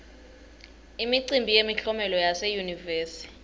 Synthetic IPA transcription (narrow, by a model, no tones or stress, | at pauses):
imiǀimbʱijemiɬɔmɛlɔjasɛjunivɛːsii